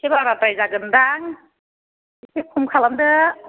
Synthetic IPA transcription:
kʰebaɾatajzaɡɯndaŋ | kʰipʰumkʰalamdɯ

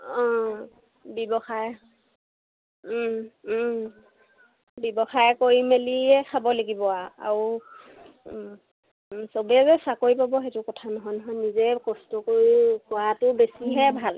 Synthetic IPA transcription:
ɔ̃ | bɔbɔxaj | bɔbɔxajkoɹimeliɛkʰabɔleɡibɔaa̰ɹu | sobɛzɛsakoɹipabɔɦetʊkɔtʰanɔɦɔjnɔɦɔjnizɛkɔstɔkoɹikɔatʊbesiɦɛbʱal

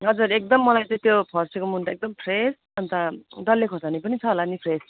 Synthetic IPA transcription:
ɦʌd͡zuɾek̚d̪ʌmːʌlajt͡sʌĩt̪jopʰʌrsekomunt̪aek̚d̪ʌmpʰres | ʌnt̪ad̪ʌlːekʰosanipʌnit͡sʰʌɦolanipʰres

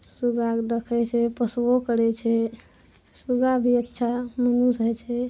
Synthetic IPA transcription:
suɡakd̪ekʰɛt͡ʃʰɛpəswokəɾɛt͡ʃʰɛ | suɡabʱiətːʃʰamənusɦɛt͡ʃʰɛ

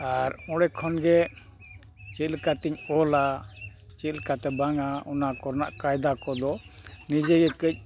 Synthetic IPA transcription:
aɾɔɽɛkʰɔnɡɛ | t͡ʃɛlkat̪iɲɔlat͡ʃilkat̪ɛbaŋaɔnakɔɾna̰ʔkajd̪akɔd̪ɔnid͡ʒɛɡɛkəc̚ˀ

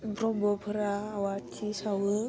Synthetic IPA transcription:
bɾobopʰɨɾawatʰːisawə

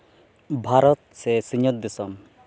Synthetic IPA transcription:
bʱaɾɔt̪sesiɲɔt̪d̪isɔm

